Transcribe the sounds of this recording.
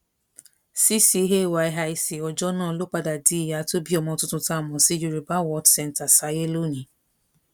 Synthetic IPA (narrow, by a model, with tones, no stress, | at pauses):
si˦si˧˦ɦe˦˨wa˨˧i˧ɦa˧i˨si˨ɔ˧d͡ʒɔ˦nãː˦˨˧lo˦k͡pa˧da˨di˨˦i˦˨ja˨˧˦to˦bi˦ɔ˧mɔ̃˧tũ˦tũ˧ta˦˨mɔ̃˨si˨˦d͡ʒu˧ɾi˨ba˦wɔ˧˦dsɛ˧n˨ta˨sa˨˦je˦lo˦nĩ˨˦